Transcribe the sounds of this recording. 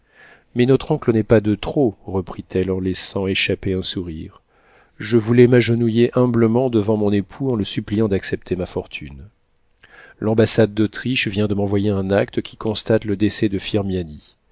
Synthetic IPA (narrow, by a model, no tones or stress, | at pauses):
mɛnɔt̪χɔ̃klənɛpad̪ət̪χoʁəpχit̪ʰɛlɑ̃lɛsɑ̃eʃapeɛ̃suʁiʁ | ʒəvulɛmaʒənujeʔɛ̃bləmɑ̃d̪əvɑ̃mɔ̃nepʰuɑ̃ləsyplijɑ̃d̪aksɛp̚t̪ʰemafɔʁt̪ʰy̰n | lɑ̃basad̪̚ːot̪χiʃvjɛ̃d̪əmɑ̃vwajeɛ̃nakt̪əkʲi̥kɔ̃st̪at̪ləd̪esɛd̪əfiʁmjani